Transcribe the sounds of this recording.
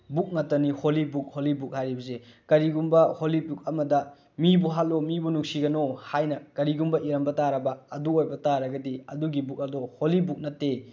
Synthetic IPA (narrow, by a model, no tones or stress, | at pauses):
buk̚nɐtːɐniholibuk̚holibuk̚hajɾibɐzekɐɾiɡumbɐholipuk̚ɐmɐdɐ | mibuɦat̚lomibunuksiɡɐnohajnɐkɐɾiɡumbɐʔiɾɐmbɐtaɾɐbɐɐduojbɐtaɾɐɡɐdiɐduɡibuk̚ɐdoholibuk̚nɐtːe